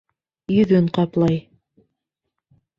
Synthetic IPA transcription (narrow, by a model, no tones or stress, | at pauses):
jɵ̆ðɵɴqɑplˠɑj